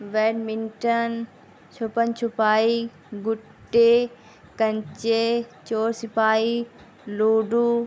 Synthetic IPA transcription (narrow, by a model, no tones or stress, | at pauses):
ʋeːɖmɪ̃nʈən | t͡ɕʰopənt͡ɕʰʊpaːi | ɡʊ | ʈːe | kɐ̃ɲt͡ɕet͡ɕoːɾsɪpaːi | loːɖu